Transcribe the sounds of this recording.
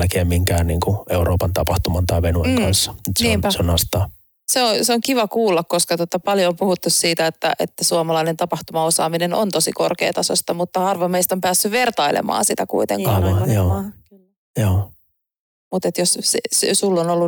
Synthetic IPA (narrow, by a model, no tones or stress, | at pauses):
lkeːmmiŋkæːnniːŋkueuɾoːpɑnt̪ɑpɑht̪umɑnt̪ɑiʋenueŋkɑnsːɑ̥ut̪sneːmnseonɑst̪ɑː | seonseoŋkiʋɑkuːlːɑkkoskɑt̪ot̪ɑpɑljompuhut̪ːussiːt̪æet̪ːæ̰ʔḛt̪ːæsuɑmɑlɑinent̪ɑpɑht̪umɑosɑ̰ːmineno̰nt̪o̞siko̰rkḛːt̪ɑso̰st̪ɑmut̪ːɑɑrʋomeist̪ompæːsːyʋert̪ɑilḛmɑ̰ːsit̪ækṵit̪ḛŋkɑʋɑjoː | joː | mut̪et̪jossessulːonolːu